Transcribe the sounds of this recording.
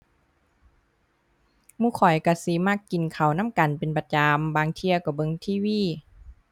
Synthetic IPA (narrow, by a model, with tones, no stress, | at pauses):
muː˧˥˨kʰɔ˨˩jka˧˩si˧˦ma˧˥˨kːi˨nkʰa˨˩wna˧˥˨mka˨npe˨npa˧t͡ɕa˨˧mbaː˧ŋt̪ʰi˧ɐkɔ˧˩bɤ˧˨ŋt̪ʰiː˧˥˨wiː˧˥˨